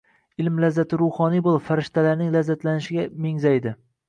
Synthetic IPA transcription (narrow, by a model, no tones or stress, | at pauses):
ɪlmlazːat̪ʰɪɾʊhɒnijbolˠfaɾɪʃt̪ʰalaɾnɪŋlazːat̪lanɪʃɪɡʲameŋzajd̪ɪ